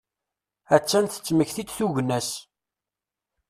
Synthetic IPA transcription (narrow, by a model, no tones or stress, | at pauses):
æt͡ʃːænt̪ə̥t͡sːməçθid̪θuʝnæs